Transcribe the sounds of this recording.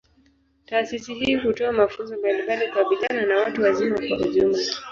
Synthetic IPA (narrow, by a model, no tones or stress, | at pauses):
taːsisiɦiːɦutɔamafunzɔmbalimbalikwaɓilananawatuwazimakwaʔuʄumla